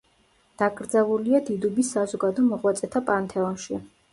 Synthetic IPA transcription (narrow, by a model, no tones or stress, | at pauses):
d̪̥aɡʼɾd̪zɛlˠuliad̪id̪ubisːazɔɡad̪ɔmɔʁwat̪sʼɛt̪ʰapʼant̪ʰɛɔnʃi